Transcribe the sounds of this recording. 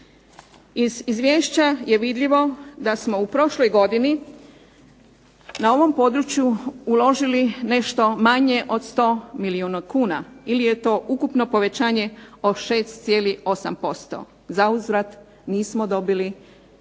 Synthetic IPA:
izizʋʲjeːʃt͡ɕaje̞ʋid̪ʎiʋo̞d̪asmo̞upɾo̞ʃlo̞jɡo̞d̪ini | nao̞ʋo̞mpo̞d̪ɾut͡ɕjuulo̞ʒiline̞ʃt̪o̞maɲe̞ʔo̞d̪st̪o̞ːmiliuːnakuːnailije̞t̪o̞ːʔukupno̞po̞ʋe̞t͡ɕaːɲe̞oʃe̞ːst̪t̪sje̞ːlio̞sa̰mpo̞st̪o̰ | zauzɾat̪ | niːsmod̪o̞bili

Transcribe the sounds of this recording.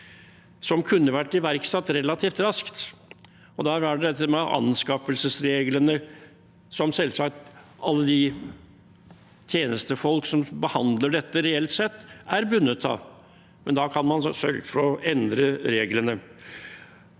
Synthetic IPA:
sɔmkʰʉnːəʋæʈːɪʋæɾksɑt̪ːɾɛlɑt̪ʰiːft̪ɾɑskt̪ | ɔd̪ɑæɖɛt̪ʰːɛmɑʔɑ̰nskɑfəlsəsɾeːɡlənə | sɔmsɛlsɑk̚t̪ʔɑlːəd̪ɪ | t̪ʰjeːnəst̪əfɔlksɔmbəhɑnd̪ləɖɛt̪ːəɾɛɛlt̪sɛt̪ːæɾbʉnːət̪ʰːɑ̰ | mɛnd̪ɑkʰɑnmɑnsœɾɡəfɔɾɔɛnd̪ɾəɾeːɡlənə

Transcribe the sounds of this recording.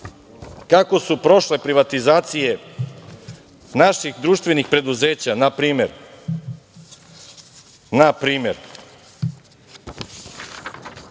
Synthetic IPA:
kako̞supɾo̞ʃle̞pɾiʋat̪izaːt̪sije̞ | naʃixd̪ɾuːʃt̪ʋe̞nixpɾe̞d̪uze̞ːt͡ɕanapɾiːmeɾ | napɾiːme̞ɾ

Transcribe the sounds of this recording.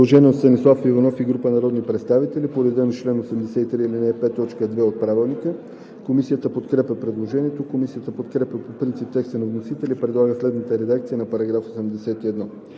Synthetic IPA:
oʒɛnʲiot̪t̪ənislˠafivɐnɔfiɡɾupənɐɾɔd̪nipɾɛt̪st̪avit̪ɛlipoɾɛd̪ɛnot͡ʃlɛnosɛmd̪ɛsɛt̪it̪ɾiilinɛpɛt̪ːɔt͡ʃkəd̪vɛot̪̚pɾavɛlˠnikə | komisijət̪əpot̪kɾɛpʲəpɾɛd̪lˠoʒɛniɛt̪okomisijət̪əpot̪kɾɛpʲəpopɾint̪sip̚t̪ɛkst̪ɛnovnosit̪ɛlipɾɛd̪lˠaɡəslɛd̪nət̪əɾɛd̪akt̪siənɐpɐɾɐɡɾafosɛmd̪ɛsɛt̪iɛd̪nɔ

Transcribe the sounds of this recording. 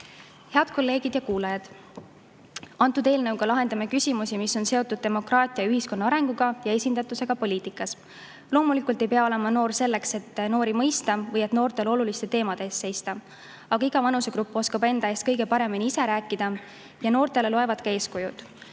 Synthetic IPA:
he̞ɑd̪̥ko̞lːe̞ːɡ̥id̪̥jɑkuːlɑjɑd̪̥ | ɑnt̪ːˑud̪e̞ːlnɤwɡ̥ɑlɑɦe̞nd̪ɑmekysʲimusimiso̞nse̞o̞t̪ːˑud̪̥̚t̪e̞mo̞krɑːt̪ʲˑiɑyɦisko̞nːɑɑɾe̞ŋɡ̥uɡ̥ɑjɑe̞sʲind̪ɑt̪ːˑuse̞ɡ̥ɑpo̞liːt̪ikːˑɑs | lo̞ːmulikˑult̪e̞jpeɑo̞le̞mɑno̞ːrse̞lːe̞kse̞t̪ːno̞ːɾimɤ̞jst̪ɑvɤjet̪no̞ːrt̪e̞lo̞lulist̪e̞t̪e̞ːmɑd̪̥e̞ːsse̞jst̪ɑ | ɑɡ̥ɑiɡ̥ɑvɑnuse̞ɡɾupːˑo̞skɑbe̞nd̪ɑeːst̪kɤ̞jɡe̞pɑɾe̞miniise̞ɾæːkːˑid̪̥ɑ | jɑno̞ːrt̪e̞le̞lo̞e̞vɑd̪̥̚kɑe̞ːskujṵd̪̥

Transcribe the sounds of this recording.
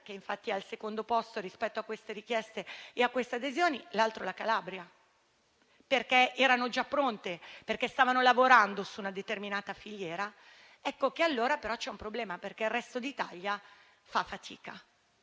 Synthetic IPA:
k̟eiɱfat̪ːialsekond̪opɔst̪oɾispɛt̪ːoakːwest̪eɾik̟jɛst̪eeakːwest̪ead̪ezjoːnilalt̪ɾolakalabɾja | perkeɛːɾanod͡ʒapːɾont̪eperkest̪aːvanolavoɾand̪osuːnad̪et̪erminaːt̪afiʎːjɛːɾa | ɛkːokealːoːɾapeɾɔt͡ʃɛumpɾoblɛːmaperk̟eirːɛst̪od̪it̪aʎːja | fafːat̪ʰḭːka

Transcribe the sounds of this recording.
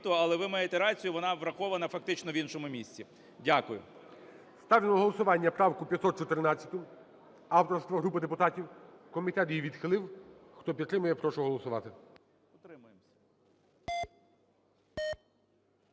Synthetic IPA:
t̪ɔɐlˠɛʋɪmɑjet̪ɛɾɑt͡sʲijʊʋɔnɑʋɾɐxɔʋɐnɐfɐk̚t̪ɪt͡ʃnɔʋʲinʃɔmʊmʲisʲt͡sʲi | dʲakʊjʊ̰ | st̪ɑʋʲlʲinɔɦɔlˠɔsʊʋɑnʲːɐpɾɑwkʊpʲjɐt̪sɔt̪̚t͡ʃɔt̪eɾnɑt͡sʲːɐ̥t̪ʊ | ɑwt̪ɔrst̪ʋɐɦɾupɪd̪epʊt̪ɑtʲiwkɔmʲit̪ɛt̪jiʋʲid̪xɪlˠɪwxt̪ɔpʲit̪ːɾɪmʊjɛpɾɔʃʊɦɔlˠɔsʊʋɑt̪ɪ | ɔt̪ɾɪmʊjemsʲɐ̥

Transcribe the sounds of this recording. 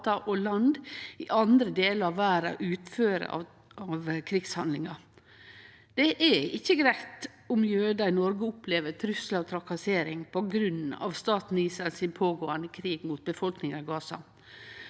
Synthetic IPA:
t̪ɑʔɔlɑnd̪ɪʔɑnd̪ɾəd̪eːləɾɑʋæːɾɑ̰ʔʉːt̪føːɾə̰ | ɑʋkʰɾɪɡshɑnd̪lɪŋɑ | d̪̥ɛʔɛɪçːəɡɾæɪt̪ | ʊmjøːd̪ɑɪnɔɾɡəʊpʰleːʋət̪ʰɾʉslɑt̪ʰɾɑkɑseːɾɪŋpʰɔɡɾʉnɑ̰ʋst̪ɑːt̪n̩iːsɾɑlsɪnpʰoːɡoːənd̪əkʰɾiːɡmuːt̪̚bəfɔlknɪŋɑɡɑːsɑ̰

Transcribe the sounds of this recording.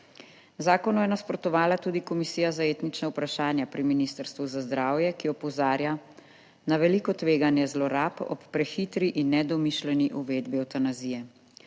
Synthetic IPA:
zaːkɔnɔjɛnaspɾɔt̪ɔʋaːlat̪uːd̪ikɔmisiːjazaeːt̪nit͡ʃnaupɾaʃaːnjapɾiminist̪əɾst̪ʋuzazd̪ɾaːwjɛkiɔpɔzaːɾja | naʋɛlikɔt̪ʋeːɡanjɛzlɔɾaːpɔ̰pːɾɛxit̪ɾiʔinːɛd̪ɔmiʃlɛniʔuʋeːd̪biɔt̪anazijɛ

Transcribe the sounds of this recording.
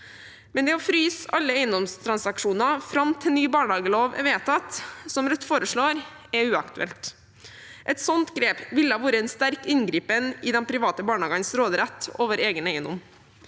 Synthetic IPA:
mɛnd̪ɛɔfɾyːsɑlːəeɪənd̪ɔmst̪ʰɾɑnsɑkʂuːnɑfɾɑmt̪ʰɪlnyːbɑːɳhɑːɡəloːʋɛ̰ʋeːt̪ʰɑt̪sɔmɾɛt̪ːfoːɾəʂɭoːɾ | ɛʉːɑkt̪ʉɛ̰lt̪ | ʔɛt̪sɔnt̪ɡɾeːpʋɪləɑːʋoːɾəɛnst̪æɾkɪnɡɾiːpənɪd̪ɛnpʰɾɪʋɑːt̪əbɑːɳhɑːɡənsɾoːd̪ɾɛt̪ːoːʋəɾeːɡənæɪənd̪ɔ̰m

